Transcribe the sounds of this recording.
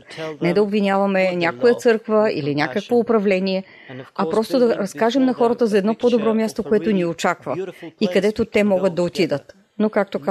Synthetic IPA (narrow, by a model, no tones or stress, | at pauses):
nɛd̪ɐobvinʲjavɐmɛnʲjakojət̪sɤɾkvəḭlinʲakəkvoːpɾɐvlɛniɛ | ɐpɾɔst̪od̪ɐɾɐskaʒɛmnɐxɔɾət̪əzɐɛd̪nɔpod̪obɾɔmʲjast̪okoɛt̪oniot͡ʃakvɐikɐd̪ɛt̪ot̪ɛmɔɡət̪̚d̪ɐot̪id̪ət̪ | nokak̚t̪ok